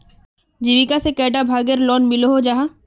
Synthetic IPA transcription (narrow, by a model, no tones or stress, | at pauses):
d͡ʒiʋikasekɛːɖabʱaːɡəɾlɔːnmɪloɦod͡ʒaɦa